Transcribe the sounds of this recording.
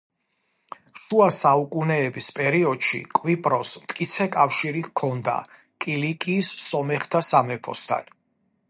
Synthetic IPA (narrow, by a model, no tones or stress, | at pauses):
ʃuasaukʼunɛːbispʼɛɾiɔd̪̥ʃḭkʼwipʼɾɔsmt̪ʼkʼit̪sʰɛkʼafʃiɾikʰɔnd̪a̰ | kʼilikʼiːsːɔmɛχt̪ʰasamɛpʰɔ̰st̪ʰa̰n